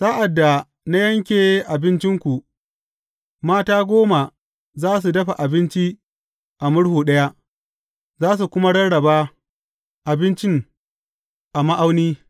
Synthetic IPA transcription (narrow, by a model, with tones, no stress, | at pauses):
saː˦ʔa˨dːa˨ | na˦jɐ˦ŋkʲeː˨˦ʔa˨bɪ˦nt͡ʃɪ˦ŋkʷu˨ | maː˦taː˦ɡʷoː˦ma˨ | zaː˦s̬u˨dɐ˦ɸa˨ʔa˨bɪ˦nt͡ʃi˦ | ʔa˨mʊ˦ɽhuː˨ɗɐ˦ja˦ʔ | zaː˦s̬u˨kʷʊ˦ma˦ɽɐ˦nɽɐ˨baː˦ | ʔa˨bɪ˦nt͡ʃɪ˦ŋ | ʔa˨ma˦ʔa˦wniː˦